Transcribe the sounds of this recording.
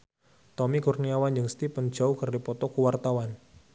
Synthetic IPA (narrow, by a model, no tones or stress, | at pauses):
t̪ɔmikurniawand͡ʒɨŋst̪ipən̥d͡ʒ̥aukərdipɔt̪ɔkuwart̪awan